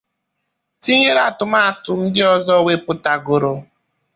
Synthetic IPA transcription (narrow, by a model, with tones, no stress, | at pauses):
ti˦ɲe˦ɾa˨tʊ˨ma˦˨tʊ˨n̩˦dɪ˦ɔ˦zɔ˦˨we˦pʊ˦ta˨ɡo˨ɾo˨